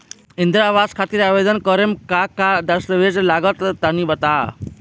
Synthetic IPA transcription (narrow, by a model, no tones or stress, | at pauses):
ɪ̃nd̪ɾaːʋaːskʰaːt̪iɾaːʋed̪ənkɔɾemkakad̪ɐɾsɾəʋed͡ʒlaːɡət̪t̪anĩbət̪aː